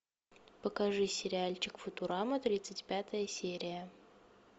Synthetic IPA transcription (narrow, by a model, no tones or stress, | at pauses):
pəkɐʐɨsʲɪɾʲɪalʲt͡ɕɪkfʊt̪ʊɾamət̪ɾʲit̪sɨtʲpʲat̪əjəsʲeɾʲɪjə